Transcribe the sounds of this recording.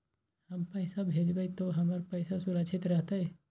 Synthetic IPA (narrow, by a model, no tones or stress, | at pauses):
hɐmpɐːsabʱeːd͡ʒbəit̪oɦɐməɾpɐɪsasʊɾəkʃʰɪt̪ɾɐɦt̪aɦɛː